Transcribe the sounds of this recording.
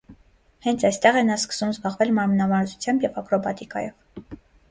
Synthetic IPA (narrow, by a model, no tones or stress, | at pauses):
hɛnt͡sʰɑjst̪ɛʁɛnɑskə̥sumzbɑʁvɛlmɑɾmənɑmɑɾzut͡sʰjɑmbjɛvɑkɾɔbɑt̪ikɑ̰jɔv